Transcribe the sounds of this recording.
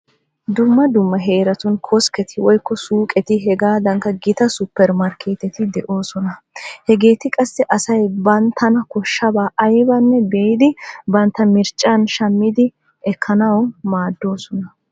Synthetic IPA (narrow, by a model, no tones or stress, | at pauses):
d̪ʊmːɐd̪ʊmːɐɦe̞ːɾɐt̪ʊnkʰɔskɛt̪ʰɪwɔjkːɔsuːkʼɛt̪ɪɦɛɡaːd̪ɐŋkːɐɡɪt̪ɐsʊpːɛɾmɐɾkʰeːt̪ɛt̪ɪd̪ɛʔo̞ːsɔnɐ | hɛɡe̞ːt̪ɪkʼɐsːɛʔɐsɐjbɐnt̪ʰːɐnɐkɔʃːɐbaːʔɐjbɐnːɛbeːjd̪ɪbɐnt̪ːɐmɪɾt͡ʃʼːanʃɐmːɪd̪ɪ | ɛkʰːɐnɐwmaːd̪ːo̞ːsɔnɐ